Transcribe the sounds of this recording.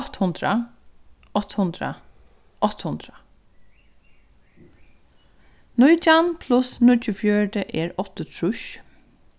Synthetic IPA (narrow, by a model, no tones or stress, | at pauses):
t̪hʊnd̪ɾa | ɔt̪hʊnd̪ɾa̰ | ʔɔt̪hʊnd̪ɾa | nʊjt͡ʃanpʰlʊsnʊt͡ʃʊfjœɹʈəʔɛːɹɔt̪ət̪ʰɹʊʃ